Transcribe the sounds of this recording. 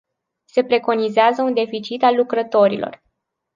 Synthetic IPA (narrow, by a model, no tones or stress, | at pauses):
se̞pɾe̞ko̞nizeazəund̪e̞fit͡ʃit̪alːukɾət̪o̞ɾḭlʔo̞̰r